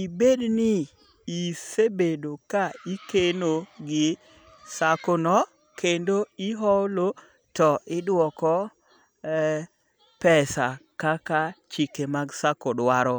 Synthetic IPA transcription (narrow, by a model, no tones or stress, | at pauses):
ibednɪ | isebedokaikenoɡɪ | sakonɔ | kʰendoiɦɔlo | tɔʔɪdwɔkɔ | pɛsakakat͡ʃikemaɡsakɔdwaɾɔ